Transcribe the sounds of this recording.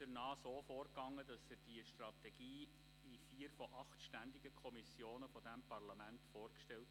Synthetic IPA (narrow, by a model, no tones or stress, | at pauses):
d̥əɾnɑːsoːfoːɾkɑŋːədɑsɪd̥iəʃtrɑt̪ɛɡ̥iː | ifiːəɾfɔʔɑχtʃtænd̪ɪɡəkʰɔmisjoːnəfɔdæmpʰɑɾlɑmæntfoːɾkʃtɛlt